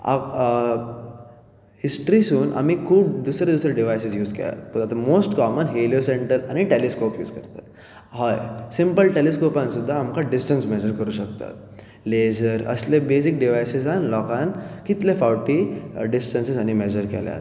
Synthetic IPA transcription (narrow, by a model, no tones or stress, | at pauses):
a̰ | hisʈɾisuːnʔa̰miːkʰuːpd̪usɾed̪usɾeɖiʋajsisjuːd͡zkḛja̰t̪pəɾat̪amosʈkɔmənɦeljosẽɳʈəɾañiʈeleskopjṵːd͡zkəɾt̪at̪ | hɔjsimpəlʈeleskopãnsud̪ʱːaːmkaɖisʈənsmɛd͡ʑəɾkəɾuːɕəkt̪a̰t̪̚ | led͡ʑəɾə̰slebesik̚ɖiʋajsisanlɔkãnkit̪lefawʈiɖisʈənsizañimɛd͡ʑəɾkɛ̰lja̰t̪